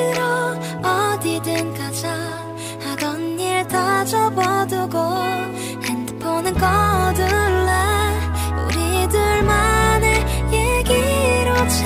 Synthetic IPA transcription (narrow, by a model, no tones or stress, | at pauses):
ɯɾo | ʌdidɯnkad͡ʑa | haɡʌniɭtʰad͡ʑʌbʌdɯɡo | hɛnd̪ɯpʰonɯnkʌdɯɭːa | ṵɾidɯɭmanejeɡiɾot͡ɕʰ